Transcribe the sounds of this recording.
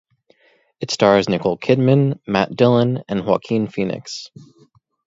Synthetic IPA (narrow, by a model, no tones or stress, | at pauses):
ɨtstɑɹznɪkl̩ˠkʰɪd̚mɨ̃nmæt̚d̥ɪlˠə̃nɨ̃nwɑ̰kʰĩnfinɨ̰ks